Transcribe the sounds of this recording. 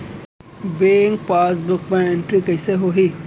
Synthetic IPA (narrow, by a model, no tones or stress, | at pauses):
beːŋk̚paːs̬bʊkbẽẽɳʈɾikɐiseɦoːɦi